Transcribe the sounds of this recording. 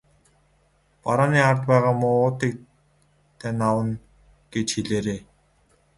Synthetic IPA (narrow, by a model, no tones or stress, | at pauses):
paɾaːniːart̪pæːʁaːmʊʊːt̪iːk̚ | t̪ʰenawə̆n | ɡ̥et͡ɕxeɮeːɾeː